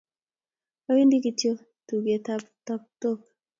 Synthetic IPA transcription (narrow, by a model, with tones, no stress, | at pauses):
a˦wi˦ndi˦ki˨tjo˦ | tu˨ɡe˨ta˦pta˦p̚to˦k̚